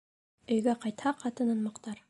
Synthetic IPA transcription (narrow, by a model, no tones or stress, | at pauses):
ɵ̆jɡæqɑjt̪hɑqʰɑt̪ɤ̆nɤ̆nmɑ̆qt̪ɑɾ